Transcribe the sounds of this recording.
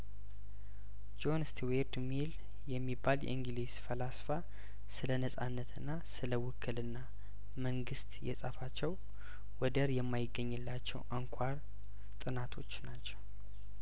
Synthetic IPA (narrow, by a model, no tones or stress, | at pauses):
d͡ʒo̞nst̪ʰiweɾd̪mil | jɛmːibːaljɛ̰ɨŋɡliz̥fəlasfa | sɨlənəsʼa̰nːət̪ʰɨnːasɨləwʊkʰːɨlɨnːa | məŋɡɨst̪jɛ̰sʼəfat͡ʃːɛw | wɔd̪əɾjɛmːajɪɡːəɲːɨlːat͡ʃːɛ̰wʔaŋkʷʰaɾ | t̪ʼɨnat̪ʰo̞t͡ʃːnat͡ʃːɛw